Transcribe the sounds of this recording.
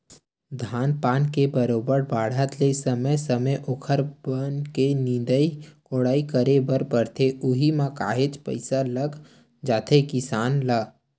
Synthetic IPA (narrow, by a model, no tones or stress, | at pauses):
d̪ʱaːnpaːnkebəɾoːbəɾbaːɽ̤ət̪lesəməjsəməjʔokʰəɾbənkenĩːd̪əikoːɽaːikəɾebəɾpəɾt̪ʰeʔʊɦimãka̰ːɦeːt͡ʃpə̰ɪsaləɡ | d͡ʒaːt̪ʰekɪsaːnləɡ